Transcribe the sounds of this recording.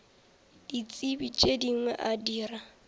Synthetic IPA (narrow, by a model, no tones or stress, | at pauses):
d̥it͡sʼibit͡ʃʼediŋwɛʔadiːra